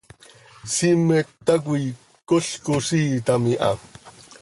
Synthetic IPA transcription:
simeak̬uj | koɬkosiːt̪amiʔa̰

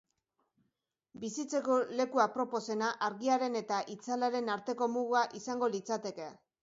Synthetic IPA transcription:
bisit͡se̞kole̞kuapɾo̞po̞se̞naʔaɾɣiaɾe̞ne̞t̪aʔit͡salaɾe̞naɾt̪e̞ko̞muɣuaʔisaŋɡo̞lit͡sat̪e̞ke̞

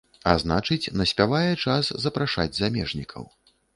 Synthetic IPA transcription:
aznat͡ʂɨt͡sʲnɐsʲpʲavajɛt͡ʂaszɐpɾaʂa̰d͡zʲzamʲɛʐnʲikʰɐ̰w

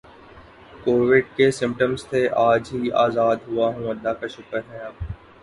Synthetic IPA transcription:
koːʋɪɖkesɪ̃mp̚ʈəmzt̪ʰeʔaːd͡ʒɦiaːzaːd̪ɦʊaɦũɐlːakaʃʊkəɾɦɛ̃aːp̚

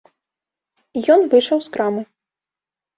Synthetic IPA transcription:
ijɔnvɨʂɐwskɾamɨ

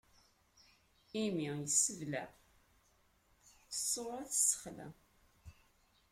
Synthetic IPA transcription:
imijəsəvlæ | θəsˤːoɾˤaθsə̥χlæ̰

